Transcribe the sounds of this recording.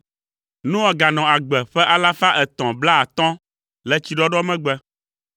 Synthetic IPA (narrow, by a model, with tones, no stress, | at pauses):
nũ˦ɔ˦˨ɡa˨nɔ̃˨a˨ɡ͡bɛ˨ɸɛ˦ʔa˦la˦fa˦ʔɛ˨t̪ɔ̃˨bla˦a˨t̪ɔ̃˦ | lɛ˦t͡ɕi˨ɖɔ˦ɖɔ˦mɛ̃˦ɡ͡bɛ˦